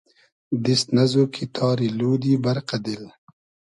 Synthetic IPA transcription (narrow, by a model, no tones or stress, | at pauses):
d̪ist̪nɐzoːkʰit̪ʰɑːɾiluːd̪ibɐɾqad̪il